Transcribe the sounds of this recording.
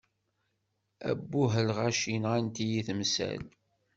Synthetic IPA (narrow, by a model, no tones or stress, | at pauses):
æ̰bːuɦəlʁæʃinʁænt̪ijiθəmsæ̰l